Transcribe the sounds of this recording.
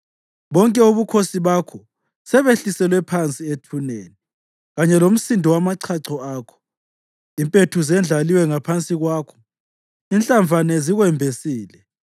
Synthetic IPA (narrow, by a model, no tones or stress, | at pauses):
βɔŋkʼɛuβukʰosiβakʰɔ | sɛβeɬisɛlwɛpʰant͡sʼietʰunḛːni | ɣaɲɛlom̩sindʱɔwamaǀʰaǀɔaːkʰɔ̥ | impʼetʰuzɛnd͡ɮʱaliwɛŋapʰant͡sʼiɣwaːkʰɔ̥ | inɬʼaɱvʱanɛziɣwɛmbʱesiːlɛ